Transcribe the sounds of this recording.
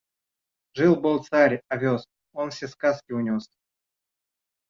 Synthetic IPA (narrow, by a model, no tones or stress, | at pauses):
ʐɨlˠbɨlˠt̪saɾʲɐvʲos | onfsʲeskaskʲɪʊnʲos